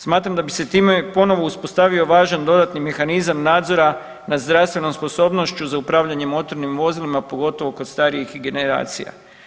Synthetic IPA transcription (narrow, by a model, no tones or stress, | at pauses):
smaːt̪ɾamd̪abise̞t̪iːmepo̞no̞ʋo̞uspost̪aʋio̞ʋaːʒand̪o̞d̪at̪nime̞xanizamnaːd̪zo̞ɾa | nazd̪ɾast̪ʋe̞no̞mspo̞so̞ːbno̞ʃt͡ɕuzaupɾaːʋʎaɲe̞mo̞t̪o̞ɾnimʋo̞zilimapo̞ɡo̞t̪o̞ʋo̞ko̞d̪st̪aɾiixɡe̞ne̞ɾa̰ːt̪sḭja̰